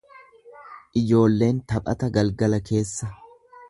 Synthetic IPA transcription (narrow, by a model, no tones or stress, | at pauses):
ʔɪd͡ʒo̞ːlːe̞ːnt̪ɐpʼɐ̰t̪ɐɡɐlɡɐlɐke̞ːsːɐ